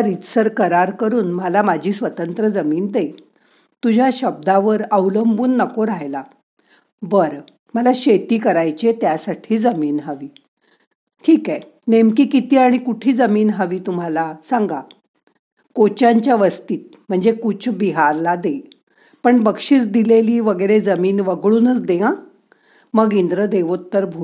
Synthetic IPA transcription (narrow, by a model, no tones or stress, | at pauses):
aɾit̪səɾkəɾaɾkəɾuːnməlamad͡ʑʱiːsʋət̪ənt̪ɾəd͡zəmiːnd̪e | t̪ud͡ʑʱjaɕəb̚d̪aʋəɾəʋləmbuːnːəkoɾaɦjla | ʋəɾ | məlaɕet̪iːkəɾajt͡ɕet̪jasaʈʰiːd͡zəmiːnɦəʋiː | ʈʰiːkɛ | nemkiːkit̪iːaɽ̃ikuʈʰiːd͡zəmiːnɦəʋiːt̪um̤alasãŋɡa | kot͡ɕaɲt͡ɕjaʋəst̪iːt̪̚ | m̤əɳd͡zekut͡sʰbiɦaɾlad̪e | pəɳbəkʂiːt͡sd̪ileliːʋəɡəɾed͡zəmiːnʋəɡɭuːnət͡sd̪eã | məɡind̪ɾəd̪eʋot̪ːəɾbʱu